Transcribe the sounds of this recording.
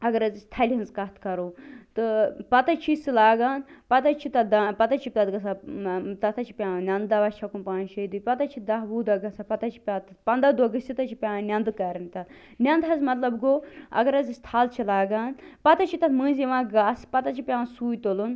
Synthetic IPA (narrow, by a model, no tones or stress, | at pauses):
ɐɡɐɾɐzɨst̪ʰɐlʲɦɐnzkɐt̪ʰkɐɾoːt̪ɨpɐt̪ɐt͡ʃʰisɨlaːɡaːnpɐt̪ɐt͡ʃʰit̪ɐd̪apɐt̪ɐt͡ʃʰipʲt̪ɐt̪ɡɐsat̪ɐt̪ʰɐt͡ʃʰi̥pʲãːnʲɐnd̪d̪aʋat͡ʃʰɐkunpaːnʃɐd̪ɨpɐt̪ɐt͡ʃʰid̪ɐɦbuːd̪ɐɡɐsapɐt̪ɐt͡ʃʰi̥pʲãːt̪ɐpɐnd̪ad̪oɡɨsʰit̪ɐt͡ʃʰipʲãːnʲɐnd̪ɨkɐɾɐnt̪ʲɐt̪ | nʲɐnd̪ɦɐzmɐt̪lɐbɡoɐ̰ɡɐɾɐzɨsʲt̪ʰaːlt͡ʃʰilaːɡaːnpɐt̪ɐt͡ʃʰit̪ɐt̪ʰmɨ̃ːnziʋãːɡaspɐt̪ɐt͡ʃʰipʲãːsuːjt̪olun